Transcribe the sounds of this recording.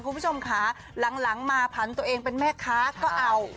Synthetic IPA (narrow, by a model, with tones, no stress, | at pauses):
kʰu˧pʰo˧mkʰa˦˥ | la˩˦ŋla˩˦ŋmaː˧pʰa˨˩˦nt̪u˧ɐʔeː˧ŋpe˧nmɛː˥˩kʰaː˦˥kɔː˥˩ʔa˧w